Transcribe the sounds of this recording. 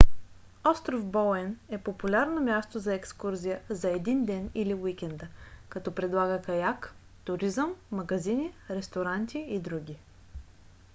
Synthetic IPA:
ɔst̪ɾofbɔlɛnɛpopulʲaɾnomʲjast̪ozɐɛkskuɾzʲijəzɐɛd̪ind̪ɛniliwikʲɛnd̪əkɐt̪ɔpɾɛd̪lˠaɡəkɐjak | t̪ʊɾizəmːɐɡɐziniɾɛst̪oɾant̪ʲiid̪ɾuɡʲi

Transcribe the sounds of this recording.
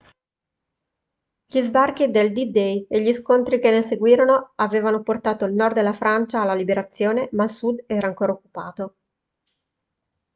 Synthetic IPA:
ʎizbark̟id̪eld̪id̪ejeʎiskont̪ɾik̟enːeseɡwiːɾonoaveːvanoport̪aːt̪oilnɔrd̪d̪elːafɾant͡ʃaːlːalibeɾat̪sːjoːnemailsud̪ɛːɾaːŋkoːɾaokːupa̰ːt̪o

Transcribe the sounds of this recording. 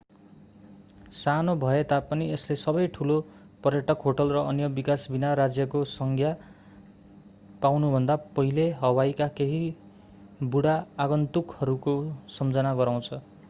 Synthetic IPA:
sanobʱʌet̪apʌnieslesʌbʌjʈʰulo | pʌrjʌʈʰʌkɦoʈʌlrʌʌnjʌbikasbinaɾad͡zjʌkosʌŋɡʰʱja | pawnubʱʌnd̪apʌɦileɦʌwajkakeɦi | buɽaːɡʌnt̪ukhʌɾukosʌmd͡zʌnaɡʌɾaw̃t͡sʰʌ

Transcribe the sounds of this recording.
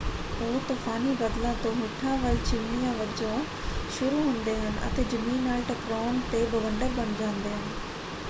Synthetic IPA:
oːt̪ɐfaːnibɐd̪lãt̪oːmɪʈʰãːʋɐlt͡ɕɪʋnijãːʋɐd͡ʒõː | ʃʊɾuɦʊ̃nd̪eːɦɐnʔɐ̰t̪eːd͡ʑɐmiːnaːlʈɐkɾaːnt̪eːbɐʋɐɳɖɐbɐnd͡ʒãːnd̪eːɦɐnɪ̆

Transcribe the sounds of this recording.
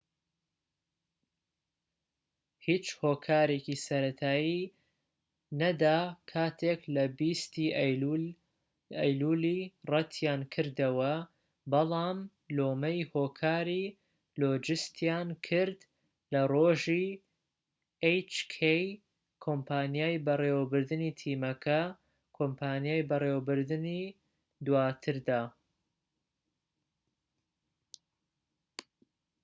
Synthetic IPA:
hiːt͡ʃhoːkʰaːɾekisɐɾɐt̪ʰaːji | nɐd̪aːkʰaːt̪ʰeːklɐbiːst̪iː | ɐjluːliːrɐt̪ʰjaːnkʰɨɾd̪ɐwɐ | bɐlˠaːm | loːmɐjhoːkʰaːɾiː | loːd͡ʒɨst̪jaːnkʰɨɾd̪ | lɐroːʒiː | ejt͡ʃkʰej | kʰompʰaːnjaːjbɐrewbɨɾd̪ɨnit̪ʰiːmɐkʰɐ | kʰompʰaːnjaːjbɐreːwbɨɾd̪ɨni | d̪waːt̪ʰɨɾd̪aː

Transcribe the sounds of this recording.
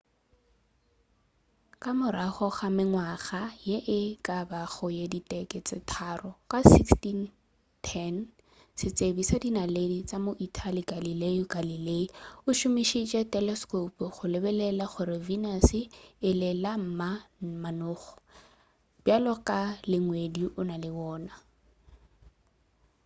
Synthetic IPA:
kʼamʊɾaχɔχamɪŋwaχajeʔɪkʼabaχɔjeditʼɛkʼɪt͡sʼɪtʰarɔkasikstin | tʰɛn | sɪt͡sʼebisadinaledit͡sʼamoʔitʰaliɡalileʊɡalileiʊʃʊmiʃit͡ʃʼɛtʼɛlɛskopʊχʊlɪbɛlɛlaχʊɾɪvinasɪɪlɪlam̩mamanʊːχɔ̥ | b̥jalɔkʼalɪŋwediʔʊnalɪwɔːna

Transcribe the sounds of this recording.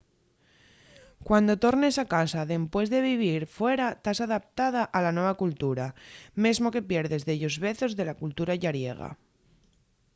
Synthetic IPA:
kwand̪o̞t̪o̞ɾnesakasaðe̞mpwe̞zðe̞β̞iβ̞iɾfwe̞ɾat̪asaðap̚t̪að̞aʔalanwe̞β̞akult̪uɾame̞zmo̞ke̞pje̞ɾðe̞zðeʎo̞zβe̞θo̞zðe̞lakult̪uɾaʝaɾje̞̰ɣ̞a̰

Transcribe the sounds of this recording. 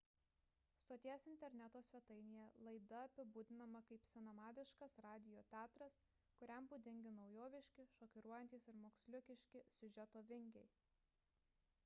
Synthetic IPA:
st̪oːt̪ʲiɛɛsɪnʲt̪ʲɛɾʲnʲæt̪oːsʲʋʲɛt̪ɐɪnʲijɛlˠɐɪd̪ɐɐpʲɪbuːd̪ʲɪnɐmɐkɐɪpsʲɪnɐmɑːd̪ʲɪʃkɐsɾɑːd̪ʲɪjoːt̪ʲæːt̪ɾɐs | kʊɾʲɛmbud̪ʲɪŋʲɡʲɪnɒʊjoːʋʲɪʃʲkʲɪʃoːkʲɪɾuɔjɛnʲt̪ʲiːsɪɾmoːksʲlʲʊkʲɪʃʲkʲɪsʲʊʒʲɛt̪oːʋʲɪŋʲɡʲɛɪ

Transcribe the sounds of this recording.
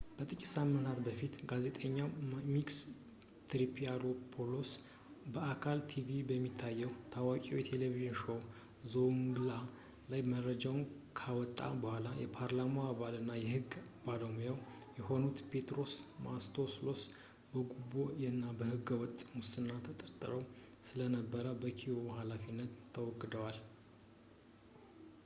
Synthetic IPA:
b̥ət̪ʼɨkʼi̥samːɨnt̪ʰat̪bəfit̪ɡaze̞t̪ʼəɲːamiks | t̪ɾipʰiaɾopʰolos | bəakʰalt̪ʰivibəmːit̪ʰːajːɛwt̪ʰawakʼiwjɛt̪ʰe̞leviʒɨnʃo̞ | zonla | lajmərːəd͡ʒawn | kʰawɔt̪ʼːa̰bəhʷalajɛpʰaɾlamoaβalɨnːajɛhɨɡːbalomjaw | jɛho̞nut̪pʰe̞t̪ɾo̞smast̪ʰoslo̞s | bəɡubojɛnːabəhɨɡəwɔt̪ʼmʊsɨnːat̪ʰət̪ʼəɾt̪ʼɨ̰ɾəw | sɨlənəbːəɾəbəkʰiwohalafinːət̪ʰːəwɔɡːd̪əwal

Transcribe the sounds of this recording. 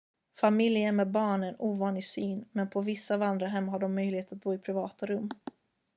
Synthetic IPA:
famɪljəmɛːd̪bɑːɳɛnuːvɑːnlɪɡsyːnmɛnpʰɔvɪsːavand̪ɾaɦɛmːɦaɖɔmːœjlɪheːt̪at̪̚buːɪpʰɾɪvɑːt̪aɾɵmː

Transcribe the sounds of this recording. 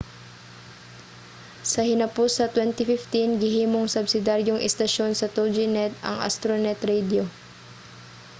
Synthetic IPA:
sɐhɪnɐpʊsɐt̪wɛnt̪ɪfɪft̪inɡɪɦiːmoŋsɐbsɪd̪aɾjoŋʔɛ̰st̪ɐʃo̞nsɐt̪od͡ʒɪnɛt̪ɐ̰ŋʔa̰st̪ɾonɛt̪ɾɛjd̪o

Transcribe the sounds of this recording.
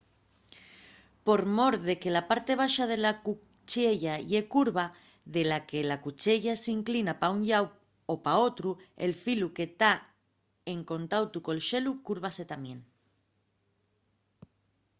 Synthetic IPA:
po̞ɾmo̞ɾðe̞ke̞lapaɾt̪e̞β̞aʃað̞e̞laku | t͡ʃeʎaʎe̞kuɾβa | ðe̞lake̞lakut͡ʃeʎasiŋklinapauɲʎaw | opao̞t̪ɾue̞̰lfiluke̞t̪a | eŋkõ̞nt̪awt̪uko̞elʃe̞lukuɾβ̞ase̞t̪amjẽ̞n

